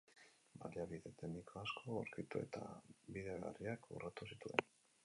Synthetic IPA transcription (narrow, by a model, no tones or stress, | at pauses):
baliaβiðe̞t̪enikʰoaskʰo̞aɾkit̪ue̞̰t̪a̰biðeɣa̰riakṵrat̪usit̪ue̞n